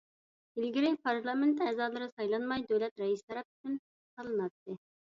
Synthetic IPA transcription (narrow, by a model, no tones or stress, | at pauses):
ɪlɡʲiɾɪkʲpʰɑɾlˠɑment̪ːɛːzɑːlˠɨɾɨsɑjlˠɑnmɑjd̪øwlɛt̪ɾɛjist̪ʰɛɾɛp̚y̥t͡ʃ̪ʰyn | sɑlˠɨnɑt̪ːɨ